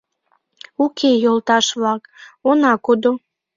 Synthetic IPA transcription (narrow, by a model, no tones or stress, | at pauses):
ukʰejolt̪ɑʃβlɑkonɑkod̪o